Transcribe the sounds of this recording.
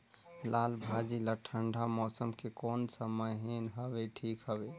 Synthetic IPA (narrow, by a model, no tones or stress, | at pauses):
laːlbʱad͡ʒiləʈʰəɳɖʱamɔːsəmkekɔːnsəməjɦenɦəbeʈʰiːkɦəbe